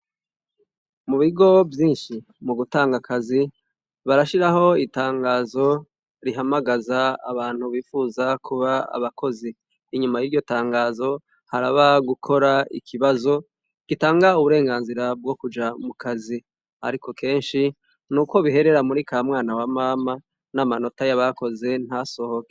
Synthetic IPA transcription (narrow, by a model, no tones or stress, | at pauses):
muβiɡo̞vjiːnʃi | muɡutaːŋɡakʰazi | βaɾaʃiɾaho̞itaːŋɡaːzo̞ | ɾiɦamaɡaza̰ːβaːn̥huβiːfuzakʰuβaa̰βakʰo̞ziː | ɲumajiɾɟo̞taːŋɡaːzo̞ | haɾaβaɡukʰo̞ɾaḭkʰiβazo̞ | ɡ̥itaːŋɡauβuɾe̞ːŋɡaːnziɾab̚ɡo̞kud͡ʒamukʰazi | ha̰ɾikʰo̞kʰe̞ːnʃi | nuːkwo̞βiɦe̞ɾe̞ɾamuɾikamŋaːnawamaːma | namano̞tajaβako̞ze̞n̥aso̞ho̞ke